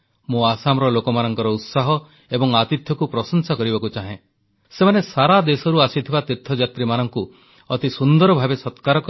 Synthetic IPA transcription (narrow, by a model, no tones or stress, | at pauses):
muasamɾɔlokɔmanɔŋkɔɾɔut̪saɦɔ | ebɔŋat̪it̪ʰjɔkupɾɔsɔnsakɔɾibɔkut͡ʃaɦẽ | semanesaɾad̪esɔɾuasit̪ʰibat̪iɾt̪ʰːɔd͡ʒat̪ɾimanɔŋku | ɔt̪isund̪ɔɾɔbʱabesɔt̪kaɾɔk